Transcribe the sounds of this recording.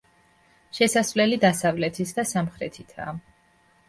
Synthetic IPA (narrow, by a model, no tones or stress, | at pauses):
ʃɛsasvlɛlid̪asavlɛt̪ʰisd̪asamχɾɛt̪ʰit̪ʰa̰ː